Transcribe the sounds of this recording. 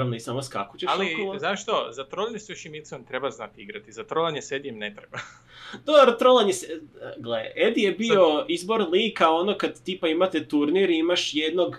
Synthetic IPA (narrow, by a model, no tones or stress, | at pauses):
amnoisamoska̰ko̥t͡ɕealkolˠzaʃt̪ozat̪ɾolˠanesuʃimesiont̪ɾebaznat̪iɡɾat̪izat̪ɾolˠanjesed̪ijemnet̪ɾeba | d̪oɾat̪ɾolˠanjeseɡleʔed̪ijebio̞izbo̞ɾlikaonokad̪t̪ipaimat̪et̪uɾniɾimaʃjed̪no̞ɡ